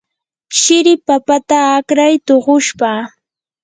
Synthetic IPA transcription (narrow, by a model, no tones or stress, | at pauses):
ʃɪɾɪpapat̪aːkɾajt̪oɢʊʃpa